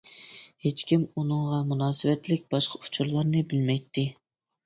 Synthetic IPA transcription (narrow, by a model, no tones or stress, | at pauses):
het͡ʃkʲimunɨŋʁɑmunɑːsɨvɛt̪lɪk̚ʲb̥ɑʃqʰɑu̥t͡ʃʰuɾlˠɑɾnɨbɪlmɛjt̪ʰːɪ